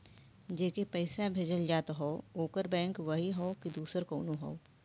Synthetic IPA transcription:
d͡ʒeːkepɛɪsabʱeːd͡ʒəld͡ʒaːt̪ɦoːoːkəɾbɛ̃ːŋkʋɐɦiɦoːkid̪uːsəɾkoːnoɦo̰ː

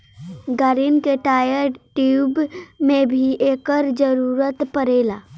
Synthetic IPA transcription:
ɡaːɾinkeʈaːjəɾʈuubmẽbʱiʔeːkəɾd͡ʒəɾuːɾət̪pəɾeːlaː

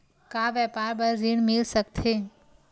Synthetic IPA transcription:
kaːʋɛːpaːɾbɐɾziːɽ̃mɪlsɐkt̪ʰeː

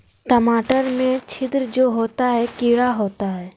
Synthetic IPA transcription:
ʈəmaːʈəɾmẽt͡ʃʰɪd̪ɾd͡ʒoːɦoːt̪aɦɛkɪːɽaɦoːt̪aɦɛː

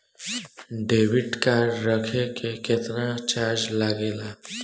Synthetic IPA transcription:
ɖeːʋɪʈkaːɾːəkʰekeket̪nat͡ʃaːɾd͡ʒlaɡeːlaː

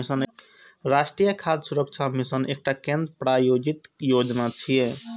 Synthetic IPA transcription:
isən | ɾasʈɾijəkʰad̪suɾək̚t͡ʃʰamisənek̚ʈakẽnd̪ɾpɾajod͡ʒit̪jod͡ʒnat͡ʃʰije

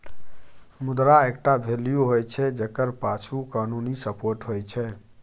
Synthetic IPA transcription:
mud̪ɾaekʈabʱelijoɦojt͡ʃʰɛd͡ʒekəɾpat͡ʃʰukanunisəpoɾʈɦojt͡ʃʰɛ

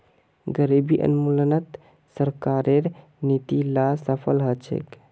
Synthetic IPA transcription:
ɡəɾibiʔə̰nmulənət̪ | səɾkaːɾeɾ | nit̪ilasəpʰəlɦət͡ʃʰḛk

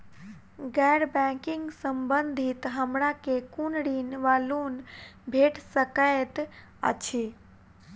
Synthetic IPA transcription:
ɡɛɾbɛ̃kɪŋɡsəmbənd̪ʱit̪ɦəmɾakekunɽinʋalunbʱeʈsəkəet̪ | ə̰t͡ʃʰi

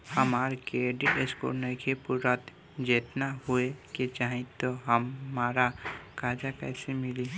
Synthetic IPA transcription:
hɐmaːɾkeɖiʔesko̰ɾnəkʰepʊɾat̪ | d͡ʒeːt̪naɦueket͡ʃaːɦĩt̪oɦəmːaːɾakaːd͡ʒakɛːsemɪli

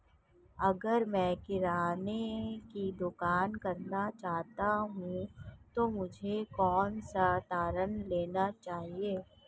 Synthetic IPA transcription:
ɐɡəɾmɛ̃kɪɾaːnekid̪ʊkaːnkɐɾnat͡ʃaːɦt̪aɦũt̪omʊd͡ʒʱekɔːnsat̪aːɾənleːnat͡ʃaːɦieː

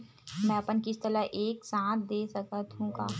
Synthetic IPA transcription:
mɛ̃ːɐpənkist̪əlaʔeːksãːt̪̚ʰd̪eːsɐkət̪ɦũka̰ː

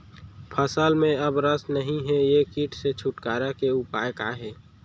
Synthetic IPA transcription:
pʰəsəlmẽɐbɾəsnəɦĩɦɛjekiːʈʰset͡ʃʰʊʈkaːɾakeʊpaːjkaɦɛː

